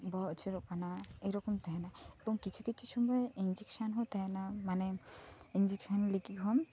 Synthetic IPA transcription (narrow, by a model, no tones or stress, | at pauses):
bɔt͡ʃʰiɾɔkanaeɾɔkɔmt̪aɦɛnaebɔŋkit͡ʃʰukit͡ʃʰut͡ʃʰumbɔind͡ʒiksanɦɔt̪aɦɛnamanɛind͡ʒiksanlikikɦɔm